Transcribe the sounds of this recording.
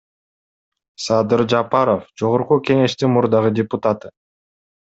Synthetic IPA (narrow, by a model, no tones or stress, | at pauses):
sɑd̪ɨɾd͡ʒɑpɑɾofd͡ʒo̞ʁoɾqukʲe̞ŋe̞ʃt̪inmuɾd̪ɑʁɯdʲɪpʊt̪at̪ɯ